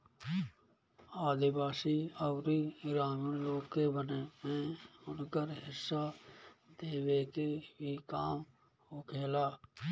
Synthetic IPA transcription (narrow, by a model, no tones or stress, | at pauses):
aːd̪ɪbaːsiːɔːɾiːɾaːməloːkːeːbəneːmẽːʊnkəɾɦɪsːaːd̪eːʋeːkeʋiːkaːm | ɦoːkʰeːlaː